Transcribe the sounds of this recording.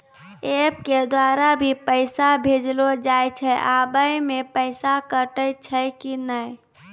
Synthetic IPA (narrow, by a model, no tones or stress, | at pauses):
eːp̚ked̪waːɾabʱipəɪsabʱeːd͡ʒlod͡ʒaːjt͡ʃʰɛʔaːbəjmẽpəɪsakəʈət͡ʃʰəkinəi